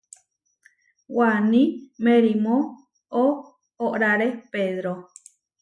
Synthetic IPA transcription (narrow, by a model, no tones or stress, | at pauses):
wanĩmeɾimo | oː | ʔɾaɾepeðɾo